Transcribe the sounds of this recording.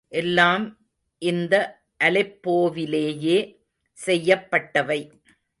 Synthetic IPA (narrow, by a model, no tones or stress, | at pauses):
ʔɛlːaːm | ʔɪnd̪ɐ | ʔɐlɪpːoːʋɪleːjeː | sɛjːɐpːɐʈːɐʋɐɪ